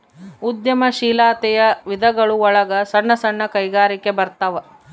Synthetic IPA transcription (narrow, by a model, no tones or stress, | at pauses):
ud̪jɐmɐʃiːlaːt̪ɛjɐʋid̪ʱɐɡɐɭuɔɭɐɡɐsɐɳːɐsɐɳːɐkɐjɡaːɾikebɐɾt̪ɐʋɐ